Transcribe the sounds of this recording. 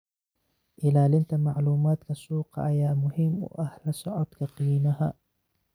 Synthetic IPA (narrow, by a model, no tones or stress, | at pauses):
ʔɪlaːlɪnt̪ʰɐmɑʕluːmaːd̪kʰɐsuːqɑ̰ʔɐjaːmʊhɪmʊ̰ʔɐhlɐsɔʕɔd̪̥kʰɐqiːnɐɦɐ̰